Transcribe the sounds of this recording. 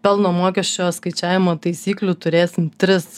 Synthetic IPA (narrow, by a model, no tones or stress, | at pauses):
pʲɛlˠnoːmoːkʲɛʃʲt͡ʃʲoːskɐɪt͡ʃʲæːʋʲɪmoːt̪ɐɪsʲiːklʲuːt̪ʊɾʲeːsʲɪmt̪ʲɾʲɪs